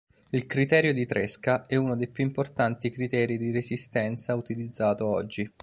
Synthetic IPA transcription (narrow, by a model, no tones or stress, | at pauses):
ilkɾit̪ɛːɾjod̪it̪ɾʔɛskaɛunod̪ejpjuimport̪ant̪ikɾit̪ɛːɾid̪iɾezist̪ɛnt̪saut̪ilid̪zːaːt̪oɔd͡ʒːi